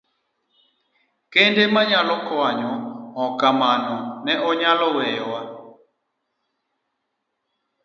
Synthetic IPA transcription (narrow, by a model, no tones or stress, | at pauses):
kendemaɲalɔkɔaɲɔɔkamanɔnɛʔɔɲalɔwɛjɔwa